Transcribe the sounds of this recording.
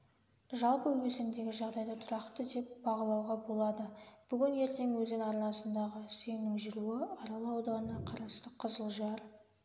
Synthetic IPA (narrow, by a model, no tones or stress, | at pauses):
ʒɑlˠpəwɵsɪmd̪e̞ɡʲɪʒɑʁd̪ɑjd̪ɑt̪ʰʊɾɑqt̪əd̪e̞pbɑʁəlˠɑwʁɑbo̞lˠɑd̪əb̥ʏɡʲɪnje̞ɾt̪e̞ŋwɵzɪŋɑɾnɑsənd̪ɑʁəsemnɪŋʒʏɾuwɪɑɾɑlˠɑwd̪ɑnənɑqʰɑɾɑst̪əqʰəzəlˠʒɑɾ